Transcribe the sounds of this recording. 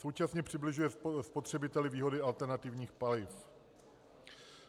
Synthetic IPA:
so̞wt͡ʃasɲɛpr̥ɪblɪʒujɛspo̞t̪r̥ɛbɪt̪ɛlɪviːɦo̞dɪʔalt̪ɛɾnat̪ɪvɲiːxpalɪf

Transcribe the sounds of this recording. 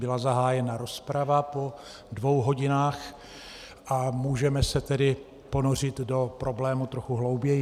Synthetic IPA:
bɪlazaɦaːjɛnaɾo̞spɾavapo̞ | dvo̞wɦo̞ɟɪnaːx | ʔamuːʒɛmɛsɛt̪ɛdɪ | po̞nor̝ɪt̪do̞pɾo̞blɛːmut̪ɾo̞xuɦlo̞wbjɛj

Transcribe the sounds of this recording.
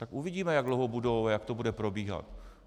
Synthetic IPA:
t̪akʔuvɪɟiːmɛjaɡdlowɦobudo̞wajakt̪obudɛpɾo̞biːɦa̰t̪

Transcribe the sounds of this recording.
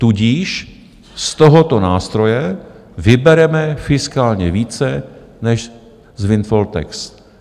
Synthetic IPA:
t̪uɟiːʃ | st̪oɦot̪o̞naːst̪ɾo̞jɛ | vɪbɛɾɛmɛfɪskaːlɲɛviːt͡sɛ | nɛʃ | zvɪnt̪folt̪ɛ̰ks

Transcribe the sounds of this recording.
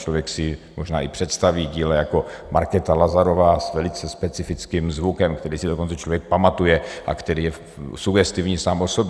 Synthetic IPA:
t͡ʃlovjɛksɪmoʒna̰ːʔɪpr̝̥ɛt̪st̪aviːɟiːlɛjako̞ | maɾkɛt̪alazaɾo̞vaːsvɛlɪt͡sɛspɛt͡sɪfɪt͡skimzvukɛmkt̪ɛɾiːsɪdokont͡sɛt͡ʃlo̞vjɛk̚pamat̪ujɛʔakt̪ɛɾiːjɛ | suɡɛst̪ivɲiːsaːmʔo̞sobɛ

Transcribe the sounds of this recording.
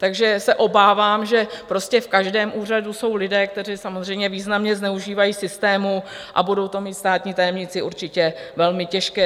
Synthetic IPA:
t̪aɡʒɛsɛʔo̞baːvaːmʒɛpɾo̞scɛfkaʒdɛːmʔuːr̝aduso̞wlɪdɛːk̚t̪ɛr̝iːsamozr̝ɛjmɲɛviːznamɲɛznɛuʒiːvajiːsɪst̪ɛːmu | ʔa̰budo̞wt̪o̞miːt̪st̪aːt̪ɲiːt̪ajɛmɲɪt͡sɪʔuɾt͡ʃɪcɛvɛlmɪcɛʃkɛː

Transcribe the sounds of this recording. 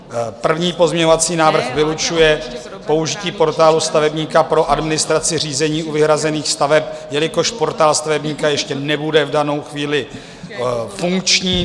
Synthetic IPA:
pr̩vɲiːpo̞zmɲɛɲovat͡siːnaːvr̩xvɪlut͡ʃujɛ | po̞uʒɪciːpo̞ɾt̪aːlust̪avɛbɲiːkapɾo̞ʔadmɪnɪst̪ɾat͡sɪr̝iːzɛɲiːuvɪɦɾazɛniːxst̪avɛpjɛlɪko̞ʃpo̞ɾt̪aːlst̪avɛbɲiːkajɛʃcɛnɛbudɛvdano̞wxviːlɪ | fuŋkt͡ʃɲiː

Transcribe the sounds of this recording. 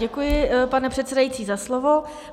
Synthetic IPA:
ɛkujɪpanɛpr̝̥ɛt̪̚sɛdajit͡siːzaslovo

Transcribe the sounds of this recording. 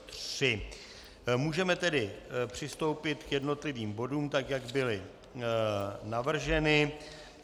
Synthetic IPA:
t̪r̥ɪ | muːʒɛmɛt̪ɛdɪpr̝̥ɪst̪o̞wpɪt̪kjɛdno̞t̪lɪviːmbo̞duːmt̪akjaɡbɪlɪ | navr̩ʒɛnɪ

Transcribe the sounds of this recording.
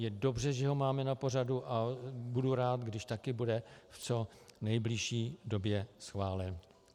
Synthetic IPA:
jɛdo̞brɛʒɛɦo̞maːmɛnapo̞r̝aduʔabuduɾaːt̪ɡdɪʃt̪akɪbudɛft͡so̞ | nɛjblɪʃiːdo̞bjɛsxvaːlɛn

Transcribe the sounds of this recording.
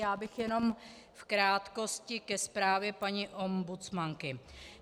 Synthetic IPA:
jaːbɪxjɛno̞m | fkɾaːt̪ko̞scɪkɛspɾaːvjɛpaɲiʔo̞mbut͡smaŋkɪ

